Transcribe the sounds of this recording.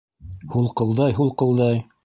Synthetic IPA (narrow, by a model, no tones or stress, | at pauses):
hulˠqɤ̆lˠd̪ɑjɦulˠqɤ̆lˠd̪ɑj